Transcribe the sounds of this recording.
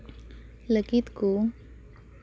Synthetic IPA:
ləkit̪ku

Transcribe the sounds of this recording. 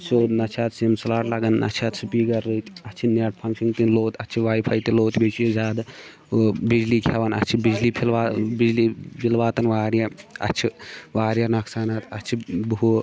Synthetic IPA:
t͡ʃoːd̪nɐt͡ʃʰaːt̪simslaːʈlaɡɐnːʔɐ̰t͡ʃʰaːt̪sɨpiːɡɐɾːət̪ɐt͡ʃʰinaʈ̚pʰɐŋʃint̪inloːt̪ɐt͡ʃʰiʋaːjipʰɐjt̪iloːt̪bet͡ʃʰizaːd̪ | bid͡ʒliːkʰɛʋɐnɐ̰t͡ʃʰibid͡ʒliːpʰilʋaːbid͡ʒliːbilʋaːt̪ɐnʋaːɾjaɐ̰t͡ʃʰiʋaːɾjanɐksaːnat̪ɐt͡ʃʰibu

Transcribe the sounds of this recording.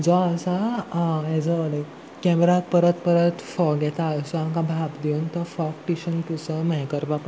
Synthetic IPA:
d͡zɔəsaãɛd͡zəle | kɛmɾak̚pəɾət̪pəɾət̪fɔɡɛt̪aəsəamkãbʱabd̪eunt̪əfɔkʈiɕənkusəməɦɛkəɾbʱap

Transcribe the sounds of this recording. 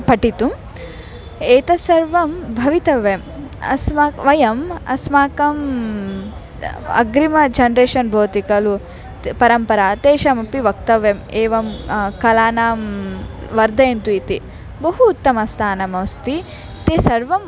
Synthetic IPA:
pɐʈit̪um | eːt̪ɐsɐɾʋɐmbʱɐʋit̪ɐʋemɐ̰smaːʋɐjɐmɐ̰smaːkɐm | ɐ̰ɡɾimɐd͡ʒɐnɾeːʃɐnbʱoːt̪ikɐlu | pɐɾɐmpɐɾaːt̪eːʃɐmɐpiʋɐk̚t̪ɐʋemeːʋɐmkɐlaːnaːm | ʋɐɾd̪ʱɐjɐnt̪uit̪i | bɐɦuːt̪ːɐmɐst̪ʰaːnɐmɐʋst̪i | t̪eːsɐɾʋɐm

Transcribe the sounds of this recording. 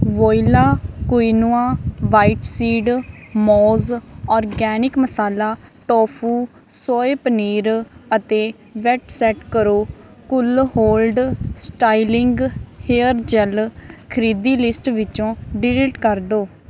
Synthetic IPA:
ʋoːilaːkʊiːnuːãːʋaːiʈsiːɖmɔːzɔːɾɡɛːnɪkməsaːlaːʈɔːpʰuː | soːeːpəniːɾət̪eː | ʋɛːʈsɛːʈkəɾoː | kʊlɦoːlɖsʈaːilɪŋɡheːəɾd͡ʒɛlkʰəɾiːd̪iːlɪsʈʋɪt͡ʃõːɖɪɾeʈkəɾd̪oː

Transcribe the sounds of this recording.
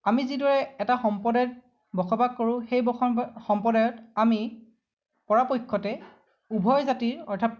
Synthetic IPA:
amizidɔɹɛɛtaxɔmpɔdɛt̚ | bɔkʰɔbaɡ̚kːoɹʊ̃xejbxɔmpɔdajɔtami | pɔɹapojkʰːɔtɛ | ubʱɔjzatiɹɔɹtʰap

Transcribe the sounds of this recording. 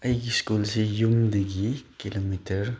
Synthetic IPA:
əjɡiskolsejumd̪eɡikilomitəɾ

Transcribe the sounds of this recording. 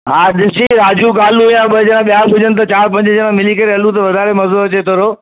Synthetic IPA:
ɦaːɗɪsiɾaːd͡ʑukaːlujãɓɐd͡ʑɐɽãɓijabʱʊd͡ʑənɪt̪ɐt͡ɕaːɾp̬ɐ̃ɲd͡ʑɪd͡ʑɐɽãmɪlikɐɾeɦɐlũt̪̬ɐʋɐd̪ʱaːɾemɐoɾɐt͡ɕet̪ʰoːɾoː

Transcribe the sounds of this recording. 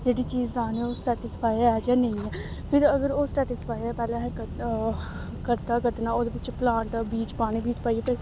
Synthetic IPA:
d͡ʒeːɽit͡ʃiːzɾaːneoːsʈɛːʈɪspʰaːjɛːjaːnɐĩɛː | pʰɪɾəɡəɾoːsʈɛːʈɪspʰaːjɛpɛːlẽɦɛ̃ːk | kəɾt̪akət̪naːoːd̪eʋɪt͡ʃplãːɳʈbiːt͡ʃpaːnibiːt͡ʃpaːiepʰɪɾ

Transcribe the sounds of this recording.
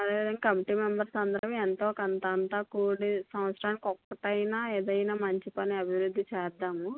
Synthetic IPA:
ɐd̪eːʋid̪ɐŋɡɐkɐmiʈiːmembɐɾsɐnd̪ɾɐʋɐent̪oːkɐnt̪ɐnt̪aːkuːɽisɐmɐt̪sɾaːnikɔkːɐʈɐjnaːeːd̪ɐjnaːmɐɲt͡ʃipɐniɐbʱiʋɾud̪ʱːit͡ʃɛːd̪ːaːmu

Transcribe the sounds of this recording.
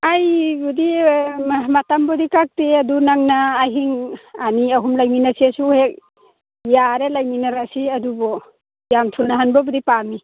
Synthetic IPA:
ajbudi | matambɔdikak̚teadunaŋnaːɦiŋaniaɦumlajminasisuhek̚ | jaɾelajminaɾasiɐdubɔ | jamtʰunaɦanbɔbɔdipami

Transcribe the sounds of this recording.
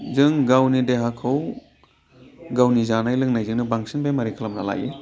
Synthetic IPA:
zɯŋɡawnideɦakʰaw | ɡawnizanajlɯŋnajzɯŋnɯbaŋsinbajmɐɾikʰalɐmnala̰jḛ

